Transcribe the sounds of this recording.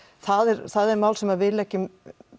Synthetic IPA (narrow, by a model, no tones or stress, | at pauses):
θaðɛɾθaðɛɾmaːwlsɛmaðvɪːlɛhcɪ